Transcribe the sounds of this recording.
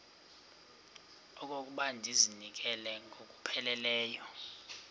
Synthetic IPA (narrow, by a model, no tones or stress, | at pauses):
ɔk̬ʼok̬ʼuɓandʱizinik̬ʼɛlɛŋɡʱokʼupʰɛlɛlɛːjɔ